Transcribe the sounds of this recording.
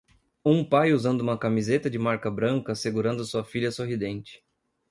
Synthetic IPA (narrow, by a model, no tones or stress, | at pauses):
ũpajuzɐ̃nd̪ʊũmɐkamizet̪ɐd͡ʒɪmaɾkɐbɾɐ̃ŋkɐseɡuɾɐ̃nd̪ʊɐsuɐfiʎɐsoɦid̪ẽnt͡ʃɪ̥